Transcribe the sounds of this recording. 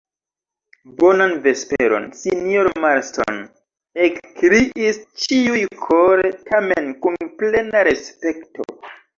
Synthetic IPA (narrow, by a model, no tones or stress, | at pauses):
bo̞nanve̞speɾo̞̰nsinjoɾmaɾsto̰n | ekkɾiʔist͡ʃiujkʰoɾetʰamenkunple̞naɾe̞spe̞kto̰